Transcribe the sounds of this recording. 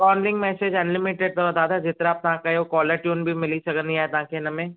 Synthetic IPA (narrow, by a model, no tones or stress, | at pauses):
kaːnlɪ̃ŋɡmɛːseːd͡ʒɐnlɪmɪʈeɖ̚t̪ɔɾd̪aːd̪ad͡ʒɪt̪ɾaːp̚t̪ɐɦãkajokɔːləɾʈjuːnbʱimɪlisɐkənĩaːɦet̪ɐɦãːkʰenɐmẽː